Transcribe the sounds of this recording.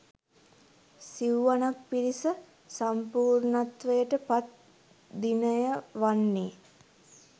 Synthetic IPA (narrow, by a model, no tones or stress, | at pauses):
siwʋanak̚piɾisə | sampuːɾnat̪ʋəjəʈəpat̪̚ | d̪inəjəʋanːeː